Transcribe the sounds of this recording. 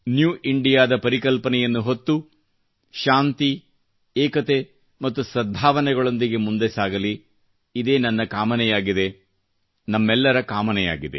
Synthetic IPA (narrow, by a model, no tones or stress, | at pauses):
njuːʔiɳɖijaːd̪ɐpɐɾikɐlpɐnɛjɐnːuɦo̞t̪ːu | ʃaːnt̪i | ɛːkɐt̪e | mɐt̪ːusɾɐd̪ʱːaːʋɐnɛɡɐɭo̞nd̪iɡe̞mund̪esaːɡɐliː | d̪e̞ːnɐnːɐkaːmɐnɛjaːɡid̪e | nɐmːɛlːɐɾɐkaːmɐnɛja̰ːɡid̪e̞